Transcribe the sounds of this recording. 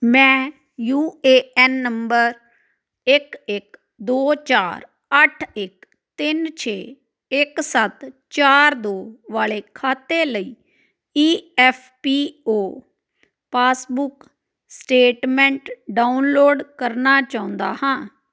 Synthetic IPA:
mɛ̃ː | juːeːɛːnːəmbəɾ | ɪkɪk | d̪oːt͡ʃaːɾ | əʈʰɪk | t̪ɪnt͡ʃʰeː | ɪksət̪t͡ʃaːɾd̪oːʋaːleːkʰaːt̪eːləiː | iːɛːpʰpiːoː | paːsbʊk | sʈeːʈmɛ̃ːɳʈɖaːʊnloːɖkəɾnaːt͡ʃaːʊ̃nd̪a̰ːhãː

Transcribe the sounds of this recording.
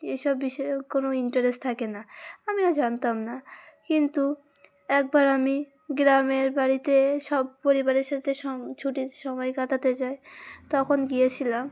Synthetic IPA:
ejʃɔbːiʃkonoiɳʈaɾesʈt̪ʰakenaamiad͡ʑant̪amnakint̪u | ɛk̚baɾami | ɡɾameɾbaɾit̪eʃɔbpoɾibaɾeɾʃat̪ʰeʃɔt͡ɕʰuʈiʃɔmɔjkat̪ʰat̪et͡ɕaet̪ɔkʰonɡijet͡ɕʰilam

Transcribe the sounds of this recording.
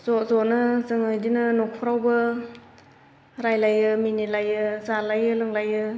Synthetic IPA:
zɔzɔnɯzɯŋɯjdinɯnɔk̚pʰɔɾawbɯ | ɾajlajɯminilajɯzalajɯlɯŋlajɯ

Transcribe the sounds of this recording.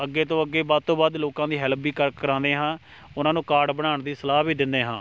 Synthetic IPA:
əɡːeːt̪õːəɡːeːbaːd̪̚t̪õːbaːd̪loːkãːd̪iːɦɛːlpːiːkəɾkːəɾãːnd̪eːɦãː | ʊnãːnũːkaːɖbəɽ̃aːɳd̪iːsəlaːbiːd̪ɪnd̪eːɦãː

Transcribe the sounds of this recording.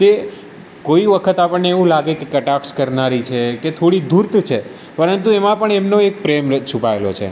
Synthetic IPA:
t̪e | koiʋəkʰət̪apəɳneːʋũlaɡekekəʈakskəɾnaɾit͡ʃʰeket̪ʰoɽid̪ʱuɾt̪t͡ʃʰe | pəɾənt̪̬uemãpəɳɛmnoek̚pɾemət͡ʃʰupaelo̰t͡ʃʰḛ

